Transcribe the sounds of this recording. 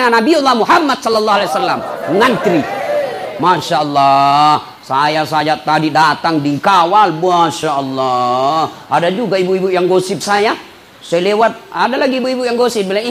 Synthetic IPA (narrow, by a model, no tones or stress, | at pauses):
anabiɔlːahmuɦamːad̪̚sɔlːlːaɦalasalːamŋant̪ɾi | maʃaɔlːa | sajasajat̪adidat̪aŋdiŋkawalmuaʃaʔɔlːa | ʔadad͡ʒuɡaibuibujaŋɡosɪp̚saja | sajalewat̪̚adalaɡiːbuibujaŋɡosɪp̚bilaŋi